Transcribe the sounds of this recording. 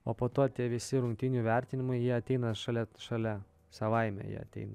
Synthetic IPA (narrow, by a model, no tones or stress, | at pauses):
oːpoːt̪oːt̪ʲiɛʋʲɪsʲɪɾʊŋʲk̚t̪ʲɪnʲuːʋʲɛɾʲt̪ʲɪnʲɪmɐɪjiɛɐt̪ʲɛɪnɐʃɐlʲɛʃɐlʲɛ | sɐʋɐɪmʲɛ̰jḭɛ̰ɐ̰t̪ʲɛ̰ɪnɐ